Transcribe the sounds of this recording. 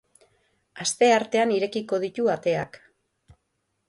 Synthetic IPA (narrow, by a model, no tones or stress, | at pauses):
ast̪e̞aɾt̪e̞aniɾe̞kiko̞ðit̪uat̪e̞ak